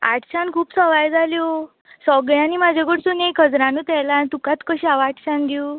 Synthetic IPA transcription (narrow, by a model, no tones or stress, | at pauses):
a̰ʈɕankʰuːpsəʋajd͡zʱaljo | sɔɡɭjãnimad͡ʑʱeɡəɽsunekʰəd͡zɾãnuːt̪ɛlant̪ukat̪kəɕiaʋaʈɕand̪i